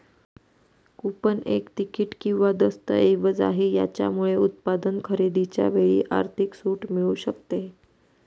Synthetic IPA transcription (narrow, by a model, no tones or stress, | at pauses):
kupənḛkt̪ikiːʈkĩw̃ʋad̪əst̪əeʋəd͡za̰ɦiːja̰t͡ɕja̰muɭeut̪̚pad̪ənkʰəɾed̪it͡ɕja̰ʋeɭḭːʔa̰ɾt̪ʰiksuːʈmiɭuːɕəkt̪e